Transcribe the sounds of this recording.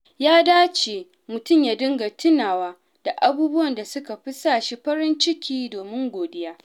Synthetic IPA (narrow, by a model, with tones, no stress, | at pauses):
jaː˦daː˦t͡ʃe˨ | mʊ˨tʊ˦˨mjaː˨dʊ˦ŋɡa˨tʰɪ˦naː˨waː˦ | d̥a˨ʔa˨buː˦bʊ˦wɐ˨nda˨sʊ˦ka˨ɸɪ˦saː˦˨ʃi˦ɸɐ˦ɾɪ˦nt͡ʃɪ˦kʲiː˦doː˨mɪ˦ŋɡʷoː˨dɪ˦jaː˦